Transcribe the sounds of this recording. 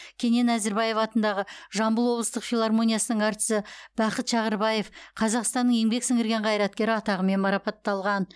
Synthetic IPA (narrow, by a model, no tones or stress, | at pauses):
kʲʰe̞ne̞næzɪɾbɑje̞fɑt̪ənd̪ɑʁəʒɑmbəlˠwo̞blˠəst̪əqfʲilˠarmo̞nʲijɑsənəɴɑɾt̪ə̥səb̥ɑqət̪ʃɑʁəɾbɑje̞fqʰɑzɑqst̪ɑnːəŋje̞ŋbe̞ksɪŋɪɾɡʲe̞ɴqʰɑjɾɑt̪̚kʲe̞ɾɪɑt̪ɑʁəme̞nmɑɾɑpɑt̪ːɑlˠʁɑn